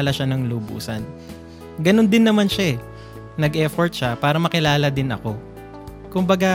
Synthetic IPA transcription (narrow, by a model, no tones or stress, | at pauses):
lɐʃanɐŋlubṵːsɐn | ɡɐno̞nd̪ɪnːɐmanʃaɛ | nɐɡʔɛfoɹt̪̚ʃapaːɾɐmɐkɪlaːlɐd̪ɪnɐ̰ko̞ | kʊmbɐɡa